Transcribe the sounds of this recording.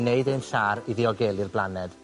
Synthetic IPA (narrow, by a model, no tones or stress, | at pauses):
neɨdenɬaːɾiðiɔɡeːlˠɪrblˠanɛd̥